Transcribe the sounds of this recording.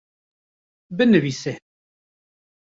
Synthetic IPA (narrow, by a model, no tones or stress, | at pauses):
bɨnɨviːse